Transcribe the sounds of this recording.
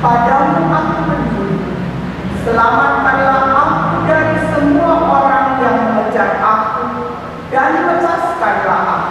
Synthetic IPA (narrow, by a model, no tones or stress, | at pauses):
padauʔakumənd̪ui | səlamat̪̚ʔadalahʔakudaɾisəmuaʔoɾaŋjaməməd͡ʒat̪aku | danmət͡ʃaskanɾaɦa